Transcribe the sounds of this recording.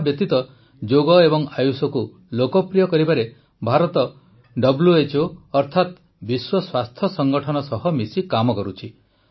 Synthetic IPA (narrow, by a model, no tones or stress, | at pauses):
bjɔt̪it̪ɔ | d͡ʒoɡɔebɔŋajusɔku | lokɔpɾijɔkɔɾibaɾe | bʱaɾɔt̪ɔ | ɖɔbljuet͡ʃoɔɾt̪ʰat̪ | biswɔswast̪ʰjɔsɔŋɡɔʈʰɔnɔsɔɦɔmisikamɔkɔɾut͡ʃʰi